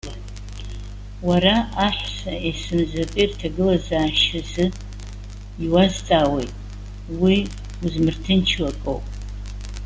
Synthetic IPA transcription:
waɾaaħʷsɐesɨmzɐpʼirtʰɐɡɨlazaːʃɪzɨ | iwazt͡sʼaːwejtʼ | wi | uzmɨrtʰɨnt͡ʃʰwɐkʼo̰wpʼ

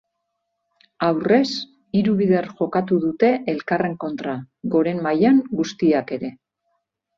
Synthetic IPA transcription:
awre̞s | iɾuβiðe̞rʝo̞kat̪uðut̪e̞ʔelkare̞ŋko̞nt̪ɾa | ɣo̞ɾe̞mmajaŋɡust̪iake̞ɾe̞

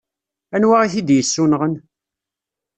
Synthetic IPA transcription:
ænwaʁiçid̪jəsːunʁən

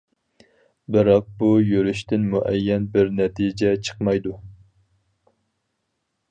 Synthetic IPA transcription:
bɨɾɑq̚bujøɾyʃt̪ɪnmuʔɛjːɛnbɪɾnɛt̪ʰid͡ʒɛt͡ʃʰə̥qmɑjd̪u

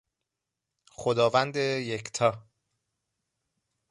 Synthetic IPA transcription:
χod̪ɒːvænd̪ejekʰt̪ʰɒː

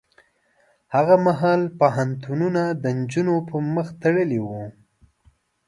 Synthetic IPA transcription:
haɣamaɦɑlpəɦant̪ununad̪ənd͡ʒunopəɾməxt̪aɽəliwu

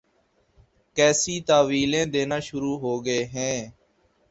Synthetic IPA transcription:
kɛːsiːt̪aːʋiːlẽːd̪eːnaːʃʊɾuːɦoːɡəeːɦɛ̃ː

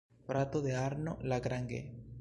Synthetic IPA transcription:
pɾat̪oðeaɾnolaɣɾaŋɡḛ

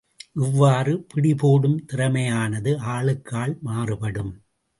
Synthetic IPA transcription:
ʔɪʋːaːrɯpɪɽɪpoːɽɯmt̪ɪɾɐmɐjaːnɐðɯaːɭɯkːaːɭmaːrɯpɐɽɯm

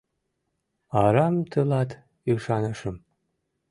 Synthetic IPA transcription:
ɑɾɑmt̪əlɑt̪ | iʃɑnəʃəm

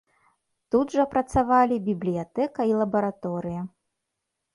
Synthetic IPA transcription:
t̪ud̪ʐɐpɾɐt̪savalʲibʲiblʲijat̪ɛkɐilˠɐbɐɾat̪ɔɾɨjɐ

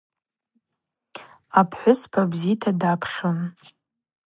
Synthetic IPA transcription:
apʰħʷʊspʰabzitʰadapʰχʲon

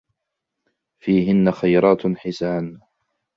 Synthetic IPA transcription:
fiːɦɪnːaxajɾˤɑːt̪ħɪsaːn

